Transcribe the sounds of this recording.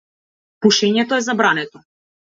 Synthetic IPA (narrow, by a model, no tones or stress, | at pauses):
puʃɛɲɛt̪ɔɛzabɾanɛt̪ɔ